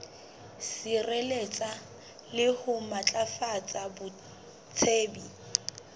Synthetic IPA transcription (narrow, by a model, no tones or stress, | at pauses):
sirelet͡sʼa | lɪhʊmat͡ɬʼafat͡sʼabʊ | t͡sʰeːbi